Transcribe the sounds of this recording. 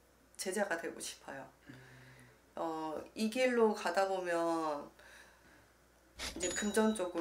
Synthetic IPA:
t͡ɕe̞d͡ʑaɡadwe̞ɡoɕʰi̥pʰajo | ʌiɡiɭːokadabomjʌn | id͡ʑe̞kɯmd͡ʑʌnt͡ɕ͈oɡɯ

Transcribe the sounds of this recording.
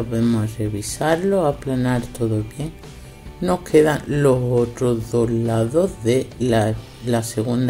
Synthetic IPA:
βemoreβ̞isaɾlo̞aplanaɾt̪o̞ðo̞βje̞ŋ | no̞hkʰe̞ðaŋlo̞ɦo̞t̪ɾo̞zðo̞ɦlaðoɦðea | lase̞ɣ̞und̪

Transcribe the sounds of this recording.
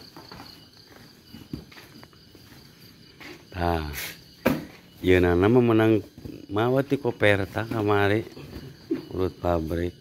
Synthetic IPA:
t̪a | iənanamamənaŋmawat̪ikɔpɛrt̪akamaɾi | ṵɾut̪̚pabɾi

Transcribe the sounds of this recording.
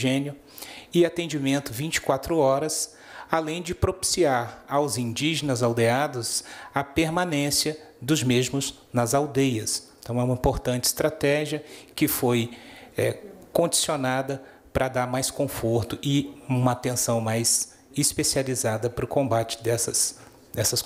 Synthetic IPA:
ʒẽnjʊ | ɪat̪ẽd͡ʒimẽnt̪ʊvĩt͡ʃɪ̥kwat̪ɾʊɔɾɐs | alẽj̃d͡ʒɪpɾopi̥siaɾawzĩnd͡ʒiʒenɐzawd̪ead̪ʊsɐpeɾmãnẽsiɐ | d̪ʊzmezmʊz | nɐzawd̪ejɐs | t̪ɐ̃w̃ɛũmɐĩpoɾt̪ɐ̃t͡ʃɪ̥st̪ɾat̪ɛʒiɐkɪfojɛ̰kõd͡ʒisionad̪ɐ | pɾʔɐd̪aɾmajskõfoɾt̪ʊʔɪũmɐat̪ẽsɐ̃w̃majz̥ | ɪspesializad̪ɐpɾʊkõbat͡ʃɪ̥d̪ɛsɐs | d̪ɛsɐs

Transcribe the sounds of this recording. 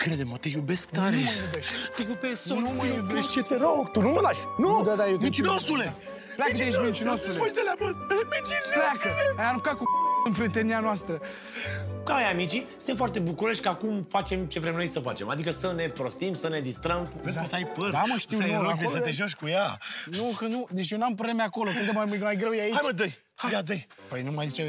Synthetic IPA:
kɾed̪emət̪ejubesk̚t̪aɾeəjubeʃt̪ʲt̪ekupe̞sonomeʃt͡ʃet̪eɾoɡt̪unuməd̪aʃnud̪ad̪ajotmĩt͡ʃinosule | plakəeʃmĩnt͡ʃinosuleoʃd̪eleapɾoselemit͡ʃilplakəajaɾukakuɨnpɾet̪enianoast̪ɾə | kajamit͡ʃisssɨnt̪emfowart̪e̞bukuɾoʃʲkakumfat͡ʃe̞mt͡ʃe̞vɾe̞mnojsəfat͡ʃema̰d̪ikəsəne̞pɾo̞st̪imsəne̞d̪ist̪ɾəmvesposajpənaməʃt̪iweaesət̪eʒoʃkujanukənud̪et͡ʃʲjewnampɾoblemeako̞lo̞kɾɨnkəmajmajɡɾewjeait͡ʃajməd̪əj | hajad̪əj | pəjnumajzit͡ʃe

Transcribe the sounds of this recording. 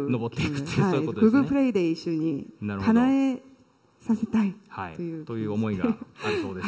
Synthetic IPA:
nobot̪ːekɯt̪aookɯɡɯpʰɯɾeideiɕ͈uɲinaɾkanae | sʰasʰet͈aihaitojɯt̪ojɯomoiɡaod̪e

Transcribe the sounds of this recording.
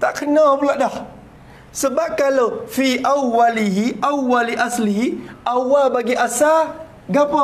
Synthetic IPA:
takənːawabulaɗa | subakaləfiʔawːaliɦiʔawaliʔaslihiawabaɡiʔasa | ɡapa

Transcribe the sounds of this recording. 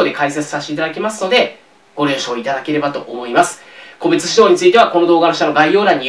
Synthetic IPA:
oːd̪e̞kaiset͡sɨ̥saɕt̪eit̪ad̪akʲimasɨno̞d̪e̞ | ɡ̥o̞ɾʲɯ̃ɰɕo̞ːit̪ad̪ake̞ɾe̞bat̪o̞ʔomo̞imasɨ̥ | ko̞be̞t͡sɨ̥ɕid̪o̞ːɲ̟it͡sɨit̪e̞βako̞no̞d̪o̞ːɡanoɕanoɡaijo̞ːɾãɲ̟ːi

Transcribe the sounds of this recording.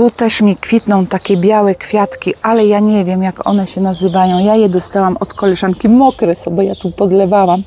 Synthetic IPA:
ut̪ɛʂmʲikfʲit̪nɔ̃w̃t̪akʲɛbʲjawɛkfʲjat̪kʲiʔalɛjaɲɛvʲjɛmjakɔ̰nɛɕɛnazɘvajɔ̃w̃jajɛd̪ɔst̪awamɔt̪kɔlɛʐaŋkʲimɔkɾɛsɔbɔjat̪upɔd̪lɛvawam

